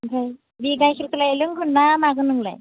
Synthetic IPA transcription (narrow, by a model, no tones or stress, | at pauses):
ɡʰaj | biɡajkʰiɾkʰɯlajelɯŋkʰɯnːamaɡɯnɯŋla̰j